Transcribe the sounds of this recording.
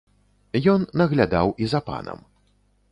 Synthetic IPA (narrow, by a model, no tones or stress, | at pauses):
jɔnːɐɣlʲad̪awizɐpa̰nɐ̰m